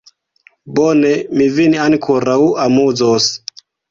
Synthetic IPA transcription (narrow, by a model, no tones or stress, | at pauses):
bonemiviniankʰoɾawamuzos